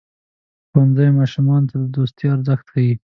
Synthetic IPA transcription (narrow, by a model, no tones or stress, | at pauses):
xanzajmɑʃumɑnt̪ad̪əd̪ost̪jɑaɾzəxt̪kai